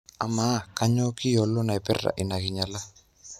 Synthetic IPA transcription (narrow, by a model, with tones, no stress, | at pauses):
a˨ma˦ka˦ɲɔ˦kɪ˦jɔ˨lɔ˦na˨ɛ˨pɛ˦rːa̰˨ʔɪ˨na˨kɪ˨ɲa˨la˦